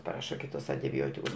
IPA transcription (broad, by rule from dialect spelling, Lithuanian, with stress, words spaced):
pɐˈrɑːʃɐ ˈkʲɪtʊs ɐnʲtʲɪˈbʲoːtʲɪkʊs